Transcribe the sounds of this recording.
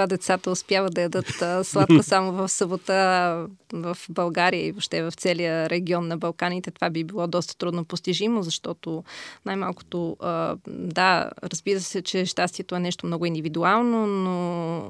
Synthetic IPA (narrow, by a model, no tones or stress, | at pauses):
ad̪ɛt̪sat̪əʊspjavəd̪ɐjɐd̪ɤt̪əslˠat̪kəsamovɐfsɐvot̪ə | vɐfbɐlˠɡaɾijəivopʃt̪ɛvɐft̪sɛlijəɾɛɡiɔnːɐbɐlˠkanit̪ɛt̪ovabibilˠɔd̪ɔst̪ə̥t̪ɾud̪nopost̪iʒimozɐʃt̪ɔt̪onajmalˠko̥t̪oəd̪aɾɐzbiɾəsɛt͡ʃɛʃt̪ast̪ijɛt̪oɛnɛʃt̪omnɔɡʊind̪ivid̪ualˠnono